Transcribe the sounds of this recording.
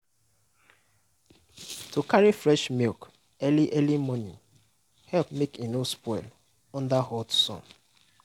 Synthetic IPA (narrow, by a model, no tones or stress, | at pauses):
tukaɹifɹɛʃmilk | ɛliʔɛlimɔnḭ̃ŋ | hɛlp̚mekinospɔɪl | ɔ̃ndahɔtsɔ̰̃n